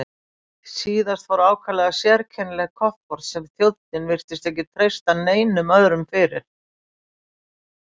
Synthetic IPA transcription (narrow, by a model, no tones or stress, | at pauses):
siːðast̪fvɔɾaːwkʰalɛɣasjɛɾcʰɛnlɛɣkʰɔht̪̚pɔɾ̥t̪sɛmθjowlt̪̚nɪnvɪr̥t̪ɪst̪ɛhc̬ːɪt̪ʰɾejst̪aneːjnʏmœðɾʏmfɪɾɪ̰ɾ̥